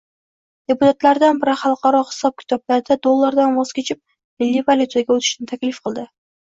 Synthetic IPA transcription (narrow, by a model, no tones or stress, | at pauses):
d̪̥epʊt̪ʰat̪laɾd̪anbɪɾɪχɑlˠqʰɑɾɒχɨ̥sɒp̚kʲʰɪ̥t̪ʰɒblaɾɪd̪ad̪olˠːaɾd̪anvɒz̥kʲʰet͡ʃʰɪp̚ | mɪlːivalʲjut̪ʰaɡʲaɵt̪ʰɪ̥ʃnɪt̪ʰakʲlɪfqʰɨlˠd̪ɪ